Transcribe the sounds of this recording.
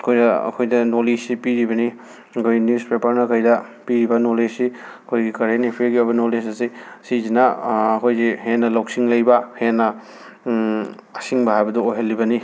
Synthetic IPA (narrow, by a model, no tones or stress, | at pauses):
ɐkʰojdɐɐ̰kʰojdɐnolisipiɾibɐni | ɐkʰojnjuspepɐɾnɐkʰɐjdɐpiɾibɐnolesiɐkʰojɡikɐɾenepʰeɡiobɐnolis̬ɐsisizinɐːkʰojɡihenːɐlawksiŋlɐjbɐhenːɐ | ɐsiŋbɐɦajbɐdɐoɦɐlːibɐni